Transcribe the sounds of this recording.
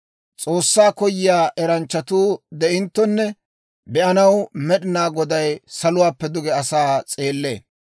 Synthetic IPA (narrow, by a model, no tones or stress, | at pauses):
t͡sʼoːsːaːkɔjːɪjaːʔɛɾɐnt͡ʃːɐt̪uːd̪ɛɪnt̪ːɔnːɛ | bɛʔɐnɐwmɛɗɪnaːɡɔd̪ɐjsɐlʊwaːpːɛd̪ʊɡɛɐsaːt͡sʼe̞ːlːe̞̰ː